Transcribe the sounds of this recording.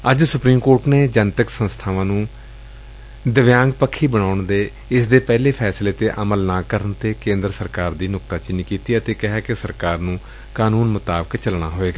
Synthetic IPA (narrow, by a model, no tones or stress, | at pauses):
əd͡ʒsʊpɾiːmkoːɾʈneːd͡ʒənt̪əksə̃nst̪ʰaːʋãːnũː | d̪əʋjãːŋɡ̚pəkʰːiːbəɽaːʊɳd̪eː | ɪsd̪eːpɛːleːpʰɛːsleːt̪eːʔəməlnaːkəɾənt̪eːkẽːnd̪ɾsəɾkaːɾd̪iːnʊk̚t̪aːt͡ʃɪniːkiːt̪iːət̪eːkɪɦaːkɪsəɾkaːɾnũː | kaːnuːnmʊt̪aːbəkt͡ʃəlɳaːɦoːeːɡaː